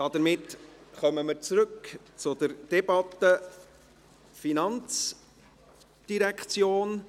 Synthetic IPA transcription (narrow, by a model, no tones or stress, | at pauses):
d̥ɑd̪əɾmɪtχœməməɾt͡sɾɵk | t͡sʊd̪əɾd̥ɛb̥ɑt̪ːə | finɑnt͡s | d̥iɾɛkχt͡sjoːn